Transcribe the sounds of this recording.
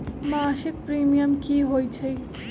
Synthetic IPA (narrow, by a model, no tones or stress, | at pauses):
masik̚pɾimijəmkiɦojt͡ʃʰəj